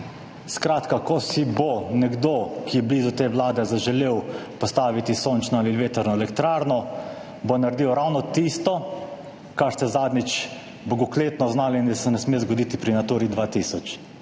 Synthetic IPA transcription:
skɾaːt̪kakɔsibonɛɡd̪okijɛbliːzɔt̪eːʋlaːd̪ɛzaʒɛleːwpɔst̪aːʋit̪isoːnt͡ʃnɔalilʋeːt̪ɛɾnɔɛlɛkt̪ɾaːɾnɔ | bonaɾd̪iːwɾawnɔt̪ist̪ɔ | kaɾst̪ɛzaːd̪nit͡ʃ | boɡɔkleːt̪nɔznaːliind̪asɛnɛsmeːzɡɔd̪iːt̪ipɾinat̪uːɾid̪ʋaːt̪isɔt͡ʃ

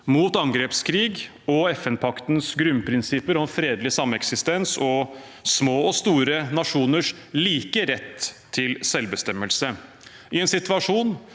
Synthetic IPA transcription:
muːt̪ɑŋɡɾeːpskʰɾiːɡ | ɔɛfɛnpʰɑkt̪nsɡɾʉnpʰɾɪnsɪpəɾɔmfɾeːd̪lɪsɑmːɛksɪst̪ɛnsɔ | smoːɔst̪uːɾənɑʂuːnəʂ | liːkəɾɛt̪ʰː | ɪlsɛlbəst̪ɛmːəlsə | ɪɛːnsɪt̪ʋɑʂuːn

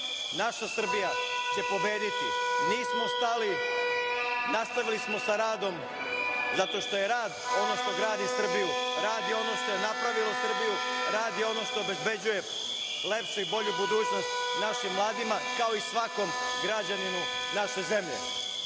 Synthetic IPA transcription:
naʃasr̩bijat͡ɕe̞po̞be̞ːd̪it̪iniːsmost̪ali | nast̪aʋilismo̞saɾaːd̪o̞m | zat̪o̞ʃt̪o̞je̞ɾaːd̪o̞no̞ʃt̪o̞ɡɾaːd̪isr̩bijuɾaːd̪jeo̞no̞ʃt̪o̞je̞napɾaʋilˠosr̩bijuɾaːd̪jeo̞no̞ʃt̪o̞ːbe̞zbe̞d͡ʑuje̞ | le̞pʃuibo̞ʎubud̪uːt͡ɕno̞st̪ | naʃimːlˠaːd̪imakao̞isʋako̞m | ɡɾad͡ʑaninu | naʃe̞ze̞mʎḛ

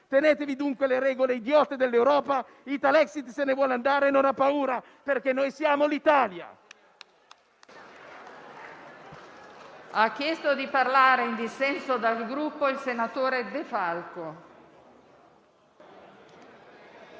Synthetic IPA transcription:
t̪eneːt̪evid̪uŋkweleɾɛːɡoleid̪jɔt̪ed̪elːewɾɔːpa | it̪alɛksit̪senevwɔland̪aːɾenonapːauːɾa | perk̟enːoːjsjaːmolit̪aːlja̰ | akːjɛst̪od̪iparlaːɾeind̪isːɛnsod̪alɡɾupːoilsenat̪oːɾed̪efalko

